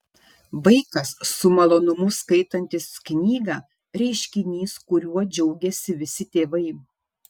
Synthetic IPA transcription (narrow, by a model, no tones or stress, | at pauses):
ʋɐɪkɐsːʊmɐlˠoːnʊmʊskɐɪt̪ɐnʲt̪ʲɪsknʲiːɡɑː | ɾʲɛɪʃʲkʲɪnʲiːskʊɾʲuɔd͡ʒʲɛʊɡʲɛsʲɪʋʲɪsʲɪt̪ʲeːʋɐɪ